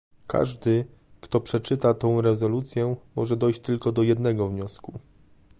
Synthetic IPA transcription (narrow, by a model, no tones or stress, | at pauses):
kʰa̰ʐd̪ɘ | kt̪ɔpʂɛt͡ʂɘt̪at̪ɔ̃w̃ɾɛzɔlut̪sʲjɛmɔʐɛd̪ɔjɕt͡ɕt̪ɘlkɔd̪ɔjɛd̪nɛɡɔvɲɔsku